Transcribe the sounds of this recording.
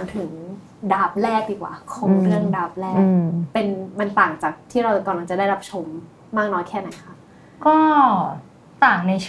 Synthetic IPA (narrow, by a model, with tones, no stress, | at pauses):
a˨˧˦ŋt̪ʰɯ˨˩˦ŋ | daː˦˩p̚lɛː˥˩k̚diː˨˩kwa̰ː˨˩kʰɔː˨˦ŋɾɯ˥˩əŋdaː˦˩p̚lɛː˥˩kːpe˧nma˧nt̪aː˨˩ŋt͡ɕaː˨˩k̚t̪ʰiː˥˩ɾa˧wka˧˩la˧ŋt͡ɕa˨˩daː˥˩jɾa˦˥p̚t͡ɕʰo˧mː | aː˥˩k̚nɔː˦˥jkʰɛː˥˩na˨˩˦jkʰa˥˩ʔ | kɔː˥˩ | t̪aː˨˩ŋna˧jʰ